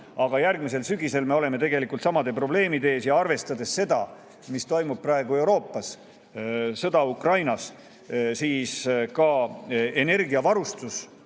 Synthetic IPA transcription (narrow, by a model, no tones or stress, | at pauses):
ɑɡ̥ɑjærɡmis̬e̞lsyɡise̞lme̞o̞le̞me̞t̪e̞ɡ̥e̞likːˑult̪sɑmɑd̪e̞pro̞ble̞ːmid̪e̞ːsjɑɑrve̞st̪ɑd̪e̞sːe̞d̪̥ɑ | mist̪o̞jmub̚prɑe̞ɡue̞wɾo̞ːpːˑɑs | sɤd̪̥ɑukrɑjnɑs | siːskɑe̞ne̞rɡiɑvɑɾust̪us